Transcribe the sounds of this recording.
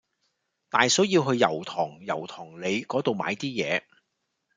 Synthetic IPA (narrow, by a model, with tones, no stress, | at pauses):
t̪aː˨jsɵ˨˥wjiː˧wɦɵ˧ɥjɐ̰˨˩wt̪ʰɔː˨˩ŋjɐ̰˨˩wt̪ʰɔː˨˩ŋle˨˧jkɔː˨˥t̪o˨wmaː˨˧jt̪iː˥jɛ̰ː˨˧